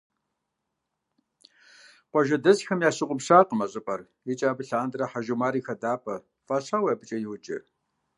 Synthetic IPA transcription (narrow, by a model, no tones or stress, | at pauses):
qʷɔʒɐdɐzxɐmjaːɕɪqʷʼʊpɕaːqəmɐɕʼɪpʼɐr | jɪt͡ʃʼaːbɨɬaːndɨrɐħaʒumaːɾiːxɐdaːpʼɐ | faːɕaːwɐbɨt͡ʃʼɐjɪwʊt͡ʃʼɪ̰